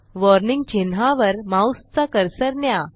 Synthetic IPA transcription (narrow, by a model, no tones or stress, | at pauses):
ʋɔɾniŋɡt͡ɕenɦaʋəɾmãust͡sakəɾsəɾnja